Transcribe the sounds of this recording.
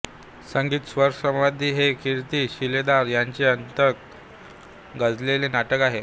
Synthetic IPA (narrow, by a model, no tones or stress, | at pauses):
səŋɡiːt̪sʋəɾsə̃mʋad̪ʱiːɦekiɾt̪iːɕiled̪aɾjaɲt͡ɕeənt̪ək̚ | ɡad͡zlelenaʈəkaɦe